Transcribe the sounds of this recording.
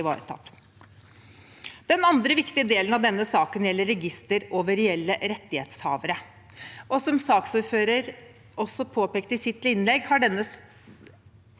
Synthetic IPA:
ʋɑ̰ːɾə̰t̪ʰɑ̰t̪ | d̪̥ɛnɑnd̪ɾəʋɪkt̪ɪəd̪eːlənɑʋd̪ɛnːəsɑːkənjɛlːəɾːɛɡɪst̪əɾoːʋəɾɛɛlːəɾɛt̪ːɪheːt̪shɑ̰ːʋəɾə | ʔɔsɔmsɑːksuːɾføːɾəɾ | ʔɔsːɔpʰoːpeːk̚t̪ɪsɪt̪ːlɪnːlɛɡhɑɖɛnːə

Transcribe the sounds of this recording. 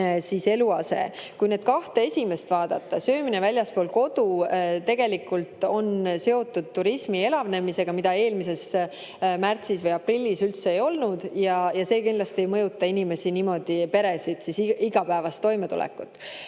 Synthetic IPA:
sise̞luɑse̞̰kujne̞ːd̪̥̚kɑht̪ee̞sʲime̞st̪vɑːd̪̥ɑt̪ːɑsø̞ːminevælʲjɑspo̞ːlko̞d̪ut̪e̞ɡ̥e̞likːˑult̪o̞nse̞o̞t̪ːud̪̥̚t̪ːuɾismie̞lɑvne̞mise̞ɡ̥ɑmid̪ɑe̞ːlmise̞s | mært̪sisvɤjɑprilʲːisylt̪se̞ejo̞lnud̪̥jɑjɑse̞ːkind̥̪lɑst̪iejmɤjut̪ːˑɑinime̞siniːmo̞d̪̥ipe̞ɾe̞sid̪̥sisiɡ̥ɑpæevɑst̪ːo̞jmet̪ṵlɛ̰kːˑut̪ːˑ

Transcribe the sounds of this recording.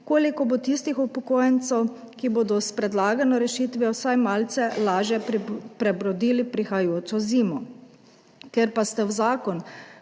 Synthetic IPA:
koːlikɔbot̪ist̪ixupɔkoːjɛnt̪sɛw | kiboːd̪ɔspɾɛd̪laːɡanɔɾɛʃiːt̪ʋjɛwsajmaːlt̪sɛlaːʒjɛpɾɛbɾɔd̪iːlipɾixajoːt͡ʃ̪ɔziːmɔ | keɾpast̪ɛwzaːkɔn

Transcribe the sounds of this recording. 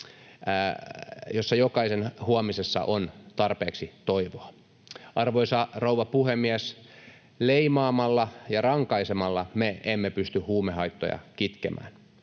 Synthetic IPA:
josːɑjokɑisenhuomisesːɑ̰ʔont̪ɑrpeːksit̪oiʋoɑ | ɑrʋoisɑrouʋɑpuhemːiæs | leimɑːmɑlːɑjɑrɑŋkɑisemɑlːɑmeemːepyst̪yhuːmehɑit̪ːo̰jɑ̰kit̪kḛmʔæ̰ːn

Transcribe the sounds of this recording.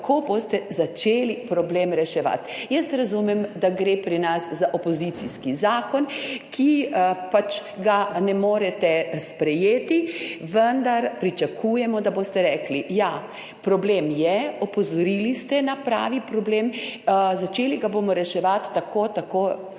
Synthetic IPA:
kʰoːboːst̪ɛzat͡ʃeːlipɾɔblemɾɛʃɛʋa̰t̪jəst̪ɾazumɛmd̪aɡɾepɾinaszaʔopɔzit̪siskizaːkɔnkʰipat͡ʃɡanɛmoːɾɛt̪ɛspɾɛjeːt̪iʋənd̪aɾpɾit͡ʃakʰuːjɛmɔd̪abost̪ɛɾɛːklija | pɾɔbleːmjɛɔpɔzɔɾilist̪ɛnapɾa̰ːʋipɾɔbleːmzat͡ʃeːliɡaboːmɔɾɛʃɛʋat̪ːakʰoːt̪akoː

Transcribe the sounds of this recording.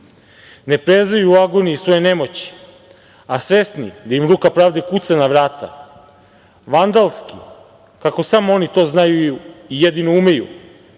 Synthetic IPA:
nepɾezajuaɡoniːsʋo̞jene̞mo̞t͡ɕi̥ | asʋesnḭd̪aimɾuːkapɾaːʋd̪ekut̪sanaʋɾaːt̪a̰ | ʋand̪alˠski | kako̞samoo̞nit̪o̞ːznajuijed̪inoume̞jṵ

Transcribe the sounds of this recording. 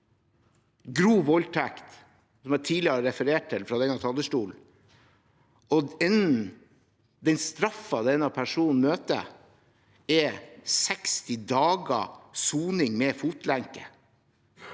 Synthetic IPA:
ɡɾuːʋɔlt̪ʰækt̪ | sɔmæʈʰiːlɪəɾɛfəɾeːʈ̚t̪ʰɪlfɾɑd̪ɛŋɑt̪ʰɑlːəʂʈuːl | ɔɛnn̩ | d̪ɛnst̪ɾɑfːɑd̪ɛnɑpʰæʂuːnn̩møːt̪ə̰ | ɛsɛkst̪ɪd̪ɑːɡɑ̰suːnɪŋmɛːfuːt̪læŋkə

